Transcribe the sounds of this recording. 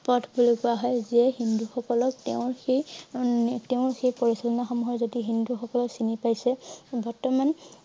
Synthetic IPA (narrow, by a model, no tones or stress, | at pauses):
pɔtʰbulokʊaɦɔjzɛɦinduxɔkɔlɔk̚teʊ̃ɹxej | teʊ̃ɹxejpɔɹisɔlɔnaxɔmuɦɔɹzodiɦinduxɔkɔlɔksinipajsɛbɔɹtɔman